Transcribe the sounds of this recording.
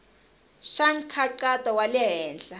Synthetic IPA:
ʃaŋ̩kʰaǃatʼawalɛɦɛːnd͡ɮa

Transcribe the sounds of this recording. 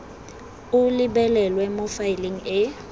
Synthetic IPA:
ʊliɓɛlɛlwɛmofailiŋ̩ɪ

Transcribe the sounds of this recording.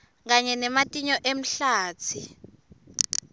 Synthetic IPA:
k̬aɲɛnɛmatʼiɲɔʔem̩ɬaːt͡sʰi

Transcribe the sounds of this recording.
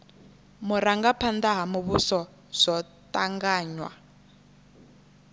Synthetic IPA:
muɾaŋɡapʰandaɦamuβusɔ | z̥ɔ | taŋɡaːɲwa̰

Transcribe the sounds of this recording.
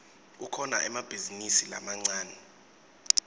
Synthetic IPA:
ukʰɔnaʔɛmab̥ʱizinisila̰maŋ͡ǀaːnɛ

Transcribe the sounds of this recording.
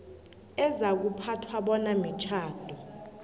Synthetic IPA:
ɛzak̬upʰatʰwaɓɔnamit͡ʃʰaːd̥ʱɔ

